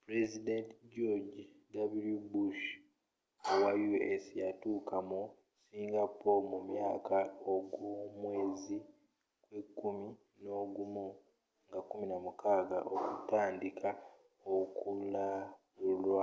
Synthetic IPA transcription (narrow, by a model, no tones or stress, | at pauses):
pɾezidentɟoɟ | daβulubuʃ | awajuesjatuːkʰamu | siːŋɡapːomumjaːkaoɡumwe̞ːzi | kwe̞kːumi | no̞ɡumu | ŋɡakuminamukaːɡa̰ʔokutaːndikʰa | okula | ulwa